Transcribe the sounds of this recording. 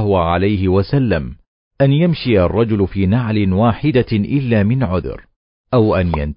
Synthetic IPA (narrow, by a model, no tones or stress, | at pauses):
haʕalajɦɪwasalːam | ʔanjamʃijarˤːɑd͡ʒʊlfiːnaʕlɪnwaːħɪd̪aʔɪlːaːmɪnʕʊ̰ð̰ɾ | ʔawʔanjant̪